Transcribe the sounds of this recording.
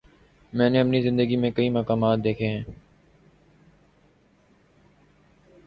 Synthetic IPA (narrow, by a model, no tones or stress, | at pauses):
mɛ̃ːneːəpniːzɪ̃nd̪əɡiːmẽːkəiːməːkaːmaːt̪̚d̪eːkʰeːɦɛ̃ː